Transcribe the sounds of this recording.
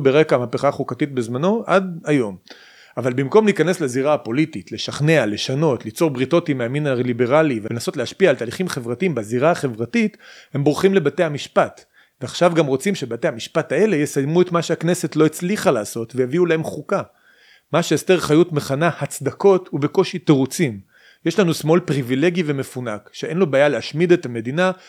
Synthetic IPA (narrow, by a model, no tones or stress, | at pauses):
beʁekamapeχaχukatit̚bezmano̞ʔadajo̞m | avalbimko̞mliikane̞sleaziʁaapo̞lititle̞ʃaχne̞ale̞ʃano̞tlit͡so̞ʁbʁito̞timeaminaʁlibe̞ʁalivenaso̞tleaʃpiaːltaːliχimχe̞vʁatiimbaziʁaaχe̞vʁatithe̞mbʁuχimle̞bate̞jhamiʃpat | veaχʃavɡamʁo̞t͡simʃebate̞jhamiʃpatae̞le̞jesajmuetmaʃeaknese̞tlo̞et͡sliχalaːso̞tvejaviulahe̞mχuka | maʃeesteʁχajutme̞χanahat͡sd̪ako̞thube̞ko̞ʃiteʁut͡sim | jeʃlanusmo̞lpʁivile̞ɡive̞mefunakʃeʔenlo̞baːjaleaʃmidetame̞dina